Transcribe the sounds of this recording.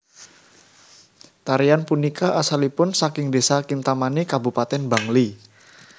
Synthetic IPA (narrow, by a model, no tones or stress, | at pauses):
t̪aɾianpunikaʔasalipʊnsakɪŋdesakɪŋt̪amanikabupat̪ɛnba̤ŋli